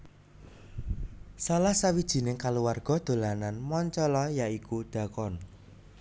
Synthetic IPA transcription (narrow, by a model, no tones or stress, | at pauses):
salahsawid̥ʒ̥i̤nɪŋkaluwarɡ̥ɔ̤d̪̥o̤lananmɔɲt͡ʃɔlɔjaʔikud̪̥a̤kɔn